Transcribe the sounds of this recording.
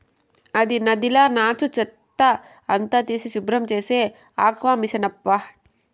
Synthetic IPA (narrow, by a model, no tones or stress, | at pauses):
ɐd̪inɐd̪ilaːnaːt͡ʃut͡ʃɐt̪ːɐ | ɐnt̪ɐt̪isiʃubɾɐmt͡ʃeːse | a̰ːkʋaːmisɐnɐpːa